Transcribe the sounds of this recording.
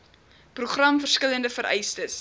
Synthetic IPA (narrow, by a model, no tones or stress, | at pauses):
pruχrɐmfərskələndəfəɾʔɛ̰jstəs